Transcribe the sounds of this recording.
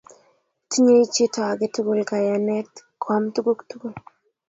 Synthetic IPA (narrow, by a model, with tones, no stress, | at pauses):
ti˦ɲe˦jt͡ʃi˦ta˨a˨ɡe˦tu˦ɡu˨lka˨ja˨nɛ˦tkʰwa˦mtu˦ɡu˦ktu˦ɡu˦˨l